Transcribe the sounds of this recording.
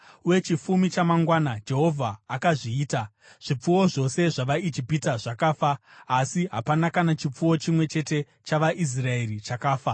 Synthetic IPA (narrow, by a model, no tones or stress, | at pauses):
we̞t͡ʃifumit͡ʃamaŋɡwaːnad͡ʒe̞ɦo̞vʱaːkaʐiːta | ʐ̥ip͡fuwo̞ʐo̞se̞ʐaʋaid͡ʒipitaʐakaːfaːsiɦapanakanat͡ʃip͡fuwo̞t͡ʃimwe̞t͡ʃe̞te̞ | t͡ʃaʋaʔis̬rae̞rit͡ʃakaːfa